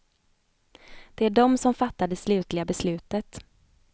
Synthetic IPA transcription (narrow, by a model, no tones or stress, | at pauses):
d̪̥ɛæɖɔmsɔmfat̪ːaɖ̪ɛslʉ̟ːt̪lɪɡabɛslʉ̟ːt̪ət̪